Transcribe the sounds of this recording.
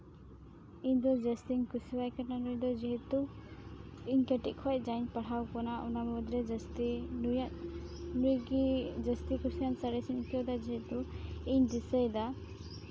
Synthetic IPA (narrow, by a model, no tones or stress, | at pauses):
iɲd̪ɔd͡ʒest̪iŋkusiwajkananujd̪ɔd͡ʒiɦɛt̪u | iɲkɛʈiʔ̚kʰɔj̚ˀd͡ʒaɲpaɽ̤awkɔnaʔɔnamud̪ɾɛd͡ʒst̪ij | nujɡid͡ʒəst̪ikusijansaɾɛsinkɔwd̪ad͡ʒiɦɛt̪uiɲd̪isəjd̪a